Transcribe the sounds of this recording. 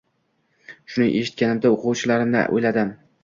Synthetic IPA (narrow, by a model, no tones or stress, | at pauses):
ʃʊnɪŋʔeʃɪ̥t̪̚kʲanɪmd̪aoqʰʊwt͡ʃʰɪlaɾɪmnɪ̰ʔo̰jlad̪ɪm